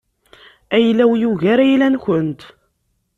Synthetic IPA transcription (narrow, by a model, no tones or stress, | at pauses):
æjlːæwjuʝæɾæjlænçənt̪